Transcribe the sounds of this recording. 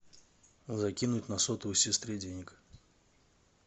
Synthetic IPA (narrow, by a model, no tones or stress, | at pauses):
zɐkʲinʊtʲnɐsot̪ʊɨsʲɪst̪ɾʲedʲenʲɪk